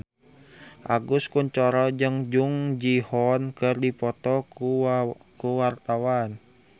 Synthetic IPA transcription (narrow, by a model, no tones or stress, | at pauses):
ʔaɡuskuɲt͡ʃɔɾɔd͡ʒɨŋd͡ʒuŋd͡ʒihɔnkɨrdipɔt̪ɔ | kuwart̪awan